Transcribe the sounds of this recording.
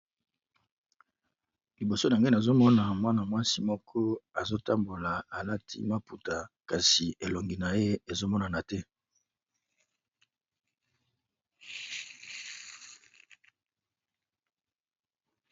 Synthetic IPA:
li˨bo˨so˦n˨a˨nde˦na˨zo˦mɔ˦na˨mwa˦na˨mwa˦si˦mɔ˦kʰɔ˦a˨zo˦ta˦mbo˨la˨a˨la˦tʰḭ˦ma˦pu˨ta˨ka˨si˨ʔe˨lo˨ŋɡi˨na˨je˦e˨zo˦mɔ˦na˨na˨tɛ˦

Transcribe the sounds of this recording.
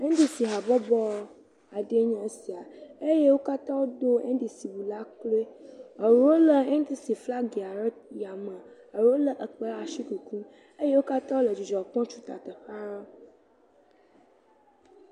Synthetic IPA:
e˦d̪i˦si˨ɦa˨bɔ˦bɔ˦ | a˨ɖe˦ɲã˦e˦si˨a˨e˦je˦wo˦ka˦t̪ã˦wo˦d̪o˦ḛ˦di˨si˨wu˨la˦klo˦e˦ə˨ɾwo˦lə˨e˦ŋ˦t̪i˦si˨fla˦ɡe˨a˨ɾə˦t̪̚ja˨mə̃˨ | ə˨ɾo˦lə˦ʔə˨k͡pə˦ɾa˨ʃi˦ku˨kũ˦ | e˦je˦wo˦ka˦t̪ã˦wo˦lə˨d͡ʒi˨d͡ʒɔ˨k͡pɔ̃˦t͡ʃu˦t̪a̰˨t̪ə˨xa˦ɾa˦

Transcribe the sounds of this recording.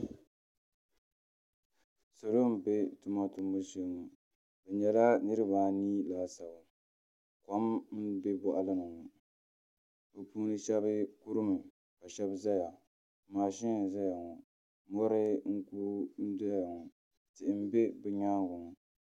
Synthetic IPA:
so˨lo˦m̩˦˨be˦tʊ˨ma˦tu˨mbo˦su˨˦˨ŋu˨ | bɛ˨ɲɛ˨la˦nɨ˦ɾɨ˦baː˨niː˦laː˨sa˨ba˨ | ka˦m̩˦be˦bɔ˨ʔa˨lɨ˦nɨ˨ŋɔ˨ | bɨ˨puː˦nɨ˦ʃɛ˦bɨ˦ku˦ɾɨ˦mɨ˨ | ka˨ʃɛ˦bza˦ja˨ | maː˨ʃɪ˦ŋ˨za˦ja˨ŋɔ˨ | mɔ˦ɾɨ˦ŋ̩˦kuː˦n̩˦da˦ja˨ŋɔ˨ | tɪ˨ʔɪ˦m˦be˦bɛ˦ɲaː˦ŋ˦ɡʊ˨ŋɔ˨

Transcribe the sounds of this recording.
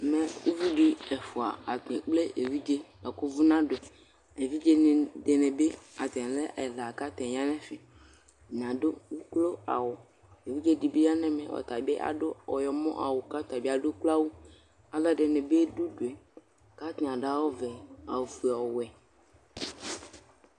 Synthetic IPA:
mɛ̃˨wṵ˦vi˦ɖi˦ɛ˨fu˨a˨a˨t̪ẽ˨k͡ple˦ʔe˨vi˦d͡ʒe˦la˨kʊ˦vu˦nã˦do˨ | e˨vi˦d͡ʒe˦n˨de˨nẽ˨be˦a˨t̪ɛ̃˨le˦ʔe˨la˨ka˦t̪ɛ̃˨ja˦nɛ̃˦fɪ˨ | ɲ˨ã˨do˦wu˦klo˦a̰˨wʊ˨ | e˨vi˦d͡ʒe˦di˨be˦ja˦nɛ̃˦mɛ̰̃˨wɔ̰˨t̪a˨be˦ʔa̰˨ɖo˦ɔ˨jɔ˨mɔ̰̃˦ʔa˨wo˨ka˦t̪a˨bi˦a˦˨ɖo˦k͡plo˦a˦wu˦ | a˨la˦ɖe˨nẽ˨be˦ɖu˦do˨ɛ˨ | ka˦t̪ẽ˨a˨ɖa˦wo˦vɛ˨a˨wfu˨ɔ˨wɛ˨

